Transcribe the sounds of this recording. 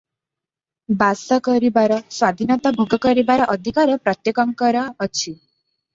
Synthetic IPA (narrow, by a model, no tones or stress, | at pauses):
basɔkɔɾibaɾɔswad̪ʱinɔt̪abʱuɡɔkɔɾibaɾɔʔɔd̪ʱikaɾɔpɾɔt̪jekɔŋkɔɾɔːt͡ʃʰi